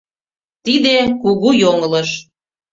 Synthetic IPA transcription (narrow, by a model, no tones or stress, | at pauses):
t̪id̪ekuɣujoŋə̆ləʃ